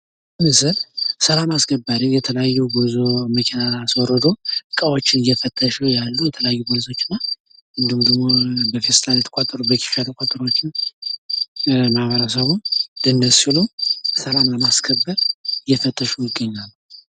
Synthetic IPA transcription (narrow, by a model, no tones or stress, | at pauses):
mɨsɨlsəlamaskəbːaɾijɛt̪ʰələjajːuɡɨzoməkʰenaːswɔɾəd̪o̞ɨkʼəwo̞t͡ʃːɪnɨjɛfət̪ʼːəʃɛwjalːujɛt̪ʰələjajːubolso̞t͡ʃːɪnːa | ʔɨnd̪ihumd̪əɡmo̞bəfest̪ʰaljɛt̪ʰə̥kʼat̪ʼːəɾubəkʰi̥fjat̪ʰəkʼat̪ʼːəɾo̞t͡ʃːɪn | maβəɾasəβunlənːəsɪlusəlamləmaskʰəbːəɾjɛfət̪ʼːəʃujɪɡːəɲːalː